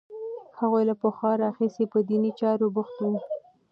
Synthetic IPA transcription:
haɣojlapəxwɑɾɑxisepəd̪init͡ʃɑɾobʊxt̪wu

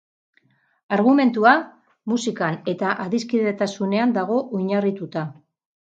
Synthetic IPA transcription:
aɾɣume̞nt̪ua | musikane̞t̪aʔaðiskiðe̞t̪asune̞and̪aɣ̞o̞ʔojɲarit̪ut̪a

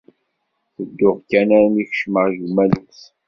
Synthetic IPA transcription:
θəd̪ːʊʁkːænæɾnixʃməʁjumːæluθ

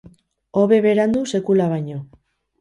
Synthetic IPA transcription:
o̞βe̞βe̞ɾand̪use̞kulaβaɲo̞

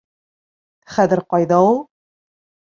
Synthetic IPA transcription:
χæðɘɾqɒjðɑulˠ

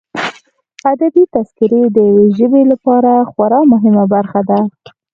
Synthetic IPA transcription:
ad̪abit̪askɪɾed̪əjaweʒəbelapɑɾaxwaɾɑmʊɦɪmabaɾxad̪a

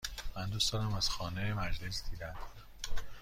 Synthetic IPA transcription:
mænd̪ust̪ɒːnæmæz̥xɒːnejemæd͡ʒle̞sd̪iːd̪ænd̪̥

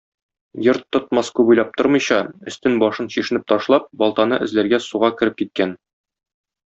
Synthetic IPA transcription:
jɤɾt̪ːŏt̪̚mɑskʉbujlˠɑp̚t̪oɾmɤ̆jɕɑɵ̆st̪ɘnbɒʃɤnɕiʃɘ̆nɘp̚t̪ɒʃlˠɑp̚bɒlˠt̪ɑnɤʔɘ̆zlæɾɡæsuʁɑkɘ̆ɾɘp̚kit̪̚kæn

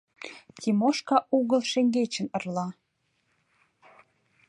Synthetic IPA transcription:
t̪ʲimoʃkɑʔuɣə̆lʃeŋɡet͡ɕə̆nə̆rlɑ

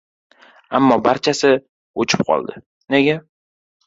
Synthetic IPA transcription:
amːɒbaɾt͡ʃʰasɪ | ot͡ʃʰɪ̥p̚qʰɒ̰lˠd̪ɪ̰ | neɡʲa

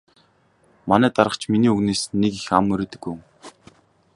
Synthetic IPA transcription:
manæːt̪aɾə̆t͡ɕʰminiːɵɣneːsnːekixamːɵɾeːt̪ɘ̆kːuŋ

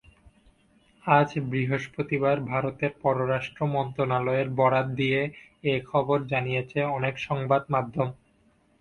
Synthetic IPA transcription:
ad͡ʑbɾiɦoʃpot̪ibaɾbʱaɾot̪eɾpɔɾoɾaʃʈɾomɔnt̪ɾonalɔeɾbɔɾat̪̚d̪ije | ekʰɔboɾd͡ʑanijet͡ɕʰeɔnekʃɔŋbad̪mad̪ʱːom

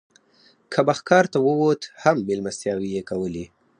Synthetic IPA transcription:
kʰabaxkɑɾt̪awəwot̪hambelmast̪jɑwijekawəli

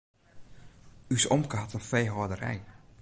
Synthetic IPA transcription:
ysɔmkəɦatənfejɦodərɛ̰j

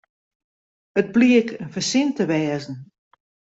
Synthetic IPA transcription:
əd̚bliəkʰənfərsɪntəʋɛːzn̩

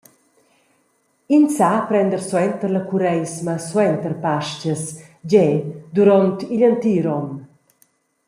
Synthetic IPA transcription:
insapɾɛnd̪əɾswɛnt̪əɾlakuɾɛjsmaswɛnt̪əɾpaʃcəs | d͡ʑɛd̪uɾɔnt̪iʎant̪iɾɔm

